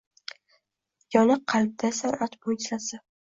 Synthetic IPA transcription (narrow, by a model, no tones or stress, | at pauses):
jɒnɨqʰːɑlb̚d̪asaɾat̪mʊjʲt͡ʃlasɪ